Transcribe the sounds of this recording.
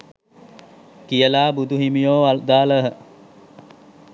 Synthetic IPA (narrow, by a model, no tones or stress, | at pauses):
kijəlaːbud̪uɦimijoːald̪aːləɦə